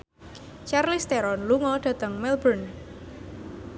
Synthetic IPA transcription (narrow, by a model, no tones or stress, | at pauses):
t͡ʃarlist̪eɾɔnluŋɔɖ̥ä̤t̪əŋmɛlbən